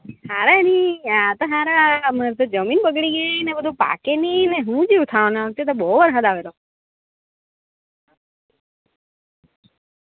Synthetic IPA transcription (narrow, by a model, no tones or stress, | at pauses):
haɾaniat̪oɦaɾaməɾt̪od͡ʒəminbəɡɽiɡenebəd̪ʱũpa̰kenineɦũd͡ʒiʋt̪ʰaʋnaək̚t̪et̪̬obɔɦʋəɾɦad̪aʋelo